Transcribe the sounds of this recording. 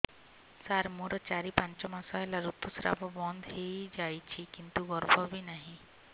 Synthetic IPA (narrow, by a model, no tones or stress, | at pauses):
saɾmuɾɔt͡ʃaɾipant͡ʃɔmasaɦelaɾut̪ːusɾa̰bɔbɔnd̪ʱɦejd͡ʒajt͡ʃʰikint̪uɡɔɾbʱɔbinaɦĩ